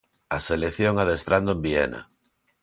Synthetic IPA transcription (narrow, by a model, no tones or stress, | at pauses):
aselekθjoŋaðest̪ɾand̪oembiḛna̰